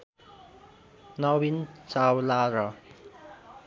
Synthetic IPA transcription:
nʌwint͡sawlaɾʌ

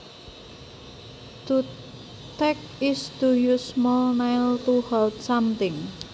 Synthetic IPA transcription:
t̪u | t̪ɛk̚ | ɪsd̪̥ujusmɔlnajlt̪uhɛlt̪samt̪ɪŋ

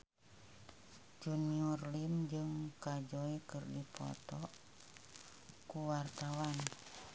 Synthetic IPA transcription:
d͡ʒuniɔrlimd͡ʒɨŋkad͡ʒoikɨrdipɔ̰t̪ɔ | kuwart̪awan

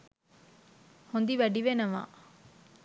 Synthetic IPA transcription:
hond̪iʋæɖiʋenɐʋa̰ː

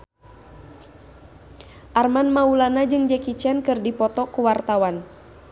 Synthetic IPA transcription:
ʔarmanmaulanad͡ʒɨŋd͡ʒɛkit͡ʃiankɨrdipɔt̪ɔkuwart̪awan

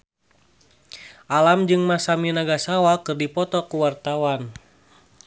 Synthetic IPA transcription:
ʔalamd͡ʒɨŋmasaminaɡasawakɨrdipɔt̪ɔkuwart̪awan

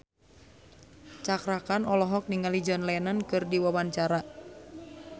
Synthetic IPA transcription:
t͡ʃakɾakanɔlɔɦɔk̚niŋalid͡ʒɔnlɛnankɨrdiwawaɲt͡ʃaɾa

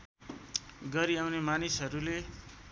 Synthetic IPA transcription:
ɡʌɾiawnemanisɦʌɾule

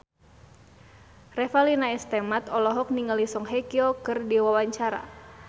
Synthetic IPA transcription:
rɛfalinaɛst̪ɛmat̪ɔlɔɦɔk̚niŋəlisɔŋɦɛkiɔkɨrdiwawaɲt͡ʃaɾa̰

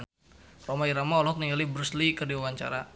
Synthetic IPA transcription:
n | romaiɾamaɔlɦɔk̚niŋɡalibɾuslikərdiwawaɲt͡ʃa̰ɾa

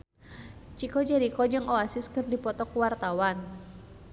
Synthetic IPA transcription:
t͡ʃikɔd͡ʒaɾikɔd͡ʒɨŋʔɔasɪskɨrdipɔt̪ɔkwart̪awan

